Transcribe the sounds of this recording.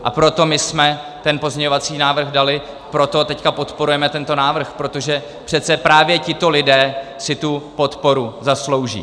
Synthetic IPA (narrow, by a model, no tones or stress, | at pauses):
ʔa̰pɾo̞t̪o̞mɪsmɛ | t̪ɛnpo̞zɲɛɲovat͡siːnaːvr̩ɣdalɪ | pɾo̞t̪o̞t̪ɛckapo̞t̪po̞ɾujɛmɛt̪ɛnt̪o̞naːvr̩xpɾo̞t̪o̞ʒɛ | pr̥ɛt̪t͡sɛpɾaːvjɛcɪt̪o̞lɪdɛːsɪt̪upo̞t̪po̞ɾuzaslo̞wʒḭː